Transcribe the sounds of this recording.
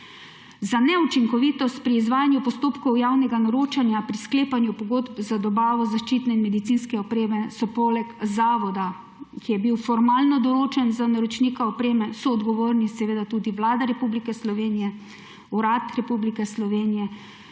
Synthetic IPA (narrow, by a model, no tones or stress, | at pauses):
zanɛut͡ʃiŋkɔʋit̪ɔst̪̚pɾiːzʋaːjanjupɔst̪oːpkɔwjaːwnɛɡanɔɾoːt͡ʃanjapɾiskleːpanjupɔɡoːd̪bzad̪ɔbaːʋɔzaʃt͡ʃiːt̪nɛinmɛd̪it̪sinskɛɔpɾeːmɛsɔpoːlɛkzaːʋɔd̪a | kijɛbiwfɔɾmaːlnɔd̪ɔɾoːt͡ʃɛnzanaɾɔt͡ʃnikaɔpɾeːmɛsɔːd̪ɡɔʋoːɾnisɛʋeːd̪at̪uːd̪iʋlaːd̪aɾɛpublikɛslɔʋeːnijɛ | uɾat̪ɾɛpublikɛslɔʋeːnijɛ